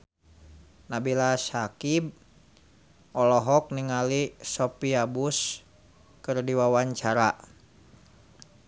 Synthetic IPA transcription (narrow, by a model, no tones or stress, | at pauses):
nabilasakib̚ | ɔlɔɦɔk̚niŋalisɔpiabus | kɨrdiwawaɲt͡ʃaɾa